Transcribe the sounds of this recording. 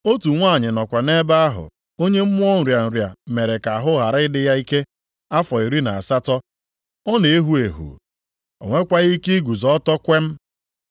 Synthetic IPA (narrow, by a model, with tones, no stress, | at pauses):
o˦tu˨ŋʷa˦˨ɲɪ˨nɔ˨kʷa˨ne˦ba˦a˦ɦʊ̰˨ | o˦ɲe˦m̩˦mʊ˦ɔ˦n̩˨ɾja˨n̩˨ɾja˨me˨ɾe˨ka˨a˨ɦʊ˦ɦa˨ɾɪ˦ɪ˦dɪ˦ja˦i˦ke˦ | a˦fɔ˨i˨ɾi˦na˨a˨sa˦tɔ˦ | ɔ˦ne˨e˦ɦu˦e˨ɦṵ˨ | o̰˨ŋʷe˦kʷa˦ɣi˦ki˦ɡu˨zɔ˦tɔ˦kʷe˦m̩˦